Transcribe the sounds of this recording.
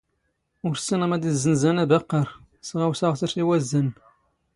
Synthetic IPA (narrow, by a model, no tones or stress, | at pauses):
ʊɾsinəmæd̪izːənzænæbæqːəɾ | sʁawsaʁθəɾsiwæzːən